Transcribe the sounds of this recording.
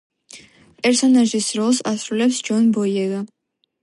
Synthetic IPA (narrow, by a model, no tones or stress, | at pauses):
pʼɛɾsɔnaʒisɾɔlˠsasɾulɛpsd͡ʒɔnbɔjɛɡa